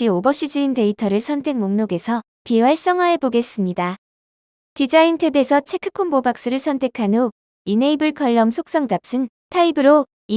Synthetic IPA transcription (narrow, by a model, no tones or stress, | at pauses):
iobʌɕʰid͡ʑɯinte̞itʰʌɾɯɭsʰʌntʰe̞k̚moŋmjoɡe̞sʰʌ | piwaɭs͈ʌŋɦaɦe̞boɡe̞s͈ɯmɲida | tid͡ʑaintʰe̞be̞sʰʌt͡ɕʰe̞kʰɯ̥kʰombobak̚s͈ɯɾɯɭsʰʌntʰe̞kʰano | ine̞ibɯɭkʰʌɭːʌmsʰok̚s͈ʌŋdap̚s͈ɯn | tʰaibɯɾo | i